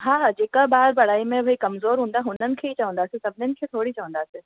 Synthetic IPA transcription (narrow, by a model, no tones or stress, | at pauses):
ɦaːd͡ʑeːkabaːɾbɐɽ̤aːimẽʋɐɦikɐmzoːɾɦũːn̆d̪aɦũːn̤ənɪ̆kʰeːit͡ɕɐʋə̃nd̪aːsĩsɐbʱɪnənɪ̆kʰeːt̪ʰoːɽit͡ɕɐʋə̃nd̪aːsẽ